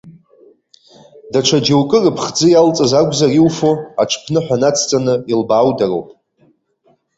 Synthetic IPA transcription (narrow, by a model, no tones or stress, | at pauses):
daʈ͡ʂʷʰad͡ʒewkʼɨrɨpʰχd͡zɨjalt͡sʼɨzaɡʷzariwfoa̰ʈ͡ʂʰpʰnɨħʷᶣanat͡sʰt͡sʼanɨilbaːwdarowpʼ